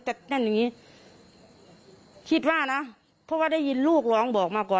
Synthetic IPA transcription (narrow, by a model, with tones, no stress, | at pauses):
t̪ɛ˧˩na˧˩˨njaː˨ŋiː˦˧˥ | kʰi˧t̪̚waː˧˩na˧˥ | pʰɔ˧˥waː˧da˧˥˨jːi˨˩˦nluː˥˩k̚lɔː˨˦ŋbɔː˨˩k̚maː˧˩kɔː˨˩